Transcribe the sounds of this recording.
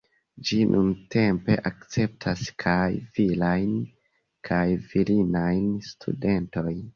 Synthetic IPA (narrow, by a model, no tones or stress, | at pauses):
d͡ʒinʔunte̞mpe̞ʔakt͡se̞p̚tʰaskʰajvilajn | kʰajvilinajnstʰṵde̞nto̞jn